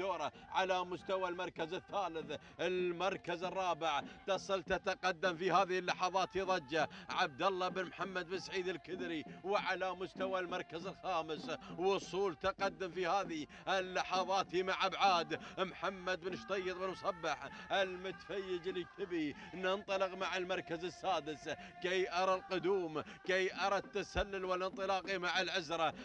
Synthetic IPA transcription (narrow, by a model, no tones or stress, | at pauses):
t̪ːoːɾˤɑʕalamʊst̪awalmɑɾˤkazɪθːaːlɪθ | ɪlmɑɾˤkazɨrˤːɑːbɪʕt̪ɑsˤɨlt̪at̪aqɑd̪ːamfihaːðɪɪlːɑħɑðˤɑːt̪hiðˤɑd͡ʒːaʕab̚d̪alːɑbɪnmħamːad̪bɪnsʕiːd̪ɪlkɪd̪ɾiwʕalamʊst̪awalmɑɾˤkazɪlxaːmɪswʊsˤuːlt̪aqɑd̪ːamfihaːði | alːɑħɑðˤɑːt̪imaʕʔabʕaːd̪mħamːad̪̚bɪnʃt̪ˤɑjːɨt̪ˤbɪnmsˤɑbːɪħʔɪlmʊt̪fajːɪd͡ʒlːit̪ʰɪbinɪnt̪ˤɑlɪqmaʕɪlmɑɾˤkazɪsːaːd̪ɪs | kejʔɑɾˤɑlqʊd̪uːmkejʔɑɾˤɑt̪ːasalːalwalɪnt̪ˤɨlɑːqimaʕɪlʕɪzɾˤɑ